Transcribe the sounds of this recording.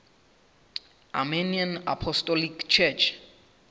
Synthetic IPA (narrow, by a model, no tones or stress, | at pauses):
ʔa̰mɛniãna̰pʰɔstɔlikt͡ʃʰɛt͡ʃ